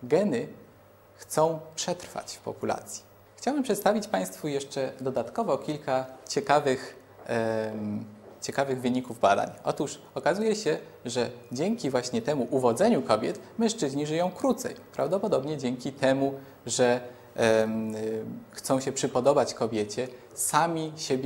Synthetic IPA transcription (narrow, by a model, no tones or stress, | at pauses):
ɡɛnɘ | xt̪sɔ̃w̃pʂɛt̪ɾfa̰t͡ɕfpɔ̰pula̰t̪sʲji̥ | xt͡ɕawɘmpʂɛt̪st̪avʲit͡ɕpaj̃st̪fujɛʂt͡ʂɛd̪ɔd̪at̪kɔvɔkʲilkat͡ɕɛkavɘx | t͡ɕɛkavɘɣvɘɲikuvbad̪a̰ɲɔ̰t̪uʂ | ɔkazujɛɕɛ | ʐɛd͡ʑɛŋkʲivwaɕɲɛt̪ɛmuʔuvɔd̪zɛɲukɔbʲjɛ̰t̪mɛ̃ʂt͡ʂɘʑɲiʐɘjɔ̃w̃kɾut̪sɛ̰jpɾʔa̰vd̪ɔpɔd̪ɔbɲɛd͡ʑɛŋkʲit̪ɛmu | ʐɛ | xt̪sɔ̃w̃ɕɛpʂɘpɔd̪ɔbat͡ɕkɔbʲjɛt͡ɕɛ | samʲiɕɛbʲj